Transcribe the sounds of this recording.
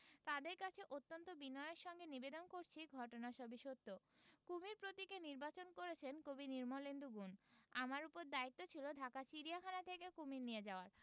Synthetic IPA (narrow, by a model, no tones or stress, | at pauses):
t̪ad̪eɾkat͡ɕʰeʔot̪ːont̪obinɔeeɾʃɔŋɡenibed̪onkoɾt͡ɕʰiɡʱɔʈonaʃɔbiʃot̪ːokumiɾpɾot̪ikeniɾbat͡ɕonkoɾet͡ɕʰenkobiniɾmolend̪uɡunamaɾupoɾd̪ait̪ːot͡ɕʰilod̪ʱakat͡ɕiɾiakʰanat̪ʰekekumiɾnijed͡ʑaoaɾ